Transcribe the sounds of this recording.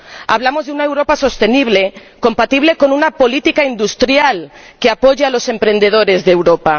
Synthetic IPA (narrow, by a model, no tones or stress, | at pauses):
aβlamozðeunaewɾopaso̞st̪eniβ̞le | kompat̪iβ̞lekonunapolit̪ikaind̪ust̪ɾjalkeapoʝaalosempɾend̪eð̞oɾezðewɾopa